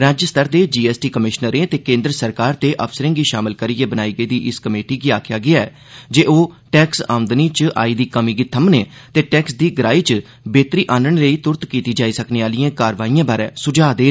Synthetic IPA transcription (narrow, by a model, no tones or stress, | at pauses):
ɾaːd͡ʒəst̪ʰəɾd̪eːd͡ʒiːɛːsʈiːkəmɪʃnəɾẽːt̪eːkẽːnd̪ɾəsəɾkaːɾt̪eːʔəpʰsəɾɪ̃ŋɡiːʃaːmɪlkəɾiːeːbənaːiːɡəiːd̪iːʔɪskəmeːʈiːɡiːaːkʰjaːɡɪaːɛː | d͡ʒeːoː | ʈɛːksa̰ːʊ̃nd̪niːt͡ʃəʔa̰ːiːd̪iːkəmiːɡiːt̪ʰəmneː | t̪eːʈɛːksd̪iːɡəɾaːiːt͡ʃ | beːt̪ɾiːʔaːnəɳ̃ləiːt̪ʊɾt̪kiːt̪iːd͡ʒaːiːsəkneːaːliãːkaːɾʋaːiːjãːbaːɾɛ̃ːsʊd͡ʒaːd̪eː